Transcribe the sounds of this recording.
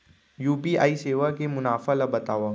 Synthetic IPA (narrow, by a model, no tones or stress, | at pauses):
juːpiːa̰ːiseːʋakemʊnaːfalabɐt̪aːʋaː